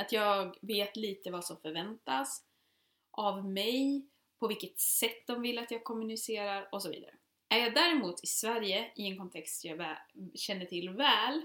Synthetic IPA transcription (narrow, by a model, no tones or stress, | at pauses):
at̪jɑːɡveːt̪liːt̪əvasɔmfœɾvɛnt̪as | ʔavmɛj | pʰɔvɪlkːət̪sɛt̪ːd̪ɔmvɪlːat̪jɑːɡ̚kʰɔmːɵnɪseːɾaɾɔsɔvḭːd̪aɾə̰ | ʔæɾjɑːd̪æɾɛmuːt̪ʰɪsvæɾjəɪɛnkʰɔnt̪ʰɛkst̪sɔmjɑːvɛɕɛnːəʈʰɪlːvɛːl